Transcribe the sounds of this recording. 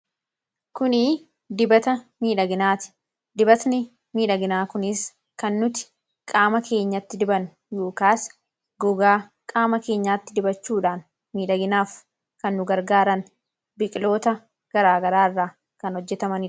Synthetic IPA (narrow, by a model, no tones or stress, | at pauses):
kʊnɪ | d̪ɪbɐt̪ɐmiːᶑɐɡɪnaːt̪ɪ̥ | d̪ɪbɐt̪nɪ | miːᶑɐɡɪnaːkʊnɪs | kɐnːʊt̪ɪ̥ | kʼaːmɐkʰe̞ːɲːɐt̪ːɪd̪ɪbɐn | joːkaːs | ɡɔɡaː | kʼaːmɐke̞ːɲːaːt̪ːɪd̪ɪbɐt͡ʃːuːᶑaːn | miːᶑɐɡɪnaːf | kɐnːʊɡɐɾɡaːɾɐn | bɪkʼɪlo̞ːt̪ɐ | ɡ̥ɐɾaːɡɐɾaːɪrːaː | kɐnhɔd͡ʒːɛt̪ɐmɐnɪ